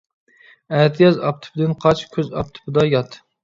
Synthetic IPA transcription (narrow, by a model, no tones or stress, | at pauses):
æɾt̪ʰɪjɑzɑp̚t̪ʰʊ̥pʰɪd̪ɪnqʰɑt͡ʃkʲʰøzɑ̰p̚t̪ʰʊ̥pɨd̪ɑjɑt̪